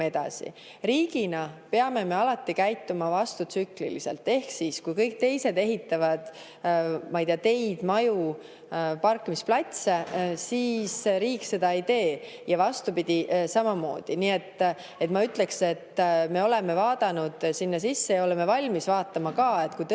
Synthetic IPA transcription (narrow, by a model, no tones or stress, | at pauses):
e̞d̪̥ɑ̰sḭ | ɾiːɡ̥inɑpeɑme̞me̞ɑlɑt̪ːikæjt̪ːˑumɑvɑst̪ut̪syklḭlise̞̰lt̪ːˑe̞hksiːskujkɤjk̚t̪e̞jse̞d̪e̞ɦit̪ːˑɑvɑd̪̥ | mɑjt̪eːɑt̪e̞jd̪̥mɑju | pɑrkːimisplɑt̪ʲsesiːsɾiːkːse̞d̪ɑid̪e̞ː | jɑvɑst̪upid̪̥ʲisɑmɑmo̞̰ːd̪̥iniet̪ː | e̞t̪mɑyt̪le̞kse̞t̪ːme̞o̞le̞me̞vɑːd̪̥ɑnud̪̥sinːɑsisːe̞jɑo̞leme̞vɑlʲmisvɑːt̪ːˑɑmɑkɑe̞t̪kujt̪